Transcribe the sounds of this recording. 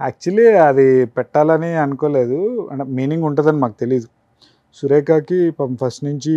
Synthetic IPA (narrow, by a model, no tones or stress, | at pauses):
a̰ːk̚t͡ʃuɐliːɐd̪ipɛʈːaːlɐniɐnukoːle̞ːd̪uɐ̰ɳʈemiːniŋɡuɳʈɐːd̪ɐnimaːkut̪e̞lid̪u | suɾeːkaːkipɐmpʰɐsʈnuɲt͡ʃi